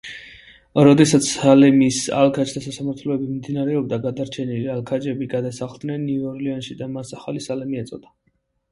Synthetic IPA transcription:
ɾɔd̪ɛsat̪sʰsalɛmisa̰lˠkʰat͡ʃd̪ʰasasamaɾt̪ʰlɔɛbimimd̪inaɾɛɔbd̪aɡad̪aɾt͡ʃʰɛnilialˠkʰad͡ʒɛbiɡad̪asaχlˠd̪nɛnːivɔɾlianʃid̪amasaχalisalɛmiɛt̪sʼɔd̪a

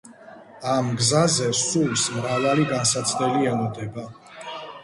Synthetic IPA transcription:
amɡzazɛsulsmɾavaliɡansat̪sʰd̪ɛliɛlɔd̪ɛba

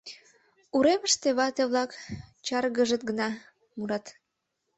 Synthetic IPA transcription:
uɾeməʃt̪eβɑt̪eβlɑkt͡ɕɑrɣəʒət̪̚ɡənɑ | muɾɑt̪

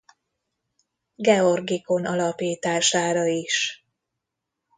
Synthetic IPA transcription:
ɡɛo̞rɡiko̞nɒlɒpiːt̪aːʃaːɾɒiʃ

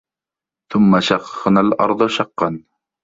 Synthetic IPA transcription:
θʊmːaʃɑqːɨnalɑ̰ɾˤd̪ˤʊʃɑqːɑn

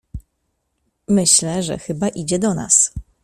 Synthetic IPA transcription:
mɘɕlɛʐɛ̰xɘbaʔid͡ʑɛd̪ɔna̰s

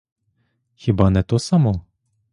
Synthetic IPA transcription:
xʲibɑnɛt̪ɔsamɔ

